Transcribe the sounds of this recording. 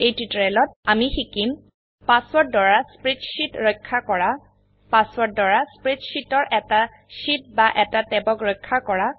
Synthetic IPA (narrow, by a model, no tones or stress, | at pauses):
ejtitɹɛlɔtamixikim | paswɔɹt̚dɔɹaspɹitʃitɹɔjkʰːakɔɹa | paswɔt̚dɔɹaspɹitʃitɔɹʔɛta | ʃit̚baʔɛtatɛbɔkɹɔjkʰːakɔɹa